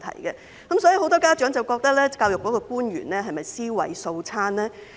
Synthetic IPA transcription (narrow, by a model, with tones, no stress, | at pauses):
t̪ʰɐ̰˨˩jɡɛ˧ | kɐ˨˦msɔː˨˥ji˨ho˧wt̪ɔː˥kaː˥t͡ʃœ˨˥ŋt͡sɐ˨wkɔː˧k̚t̪ɐ˥k̚lɛː˥kaː˧wjʊ˨kːɔː˨˥kɔː˧kuː˥nɥy̰ː˨˩nlɛː˥ɦɐ˨jmɐ˨jsiː˥wɐ̰˨˥jso˧wt͡sʰaː˥nlɛː˥